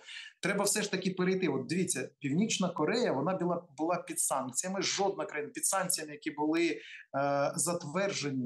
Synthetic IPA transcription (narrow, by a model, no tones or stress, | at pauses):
t̪ɾɛbɐwsɛʃt̪ɐkʲipeɾejt̪ɪɔt̪̚d̪eʋʲit͡sʲːɐpʲiwnʲit͡ʃnɐkɔɾɛjɐʋɔnɑbʲilˠɑbʊlˠɑpʲid̪̥sɑnkt͡sʲijɐmɪʒɔd̪nɐkɾɐjinɐpʲid̪sɑnkt͡sʲijɐmɪjɐkʲibʊlˠɪ | zɐt̪ʋɛrʒenʲi